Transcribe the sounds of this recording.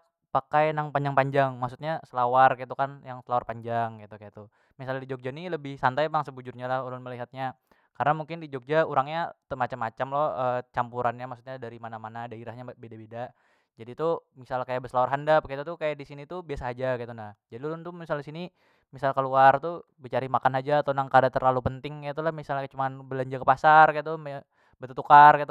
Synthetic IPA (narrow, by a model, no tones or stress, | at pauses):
pakajnaŋpaɲd͡ʒaŋpaɲd͡ʒaŋmaksu̥t̪̚ɲasəlawarkajit̪ukanjaŋsəlawarpaɲd͡ʒaŋkat̪ukajat̪u | misalɲadid͡ʒok̚d͡ʒaniləbɪhsant̪ajpaŋsəbud͡ʒʊrɲalahulʊnməliɦat̪̚ɲa | karnamuŋkɪndid͡ʒok̚d͡ʒauɾaŋɲat̪əmat͡ʃamːat͡ʃamlɔəːt͡ʃampuɾanɲamaksu̥t̪̚ɲadaɾimanamanadaiɾahɲabedabeda | d͡ʒadit̪umisalkajaʔbəslaarɦandap̚kait̪ut̪ukajaʔdisinit̪ubiasaːd͡ʒakait̪unahd͡ʒadiulʊnt̪umisalisini | misalkəluart̪ubit͡ʃaɾimakanad͡ʒaːt̪onaŋkadat̪ərlalupənt̪ɪŋkait̪̬ulahmisalɲakət͡ʃumanbəlaɲd͡ʒakəpasarkait̪̬um | bət̪ət̪ukarkait̪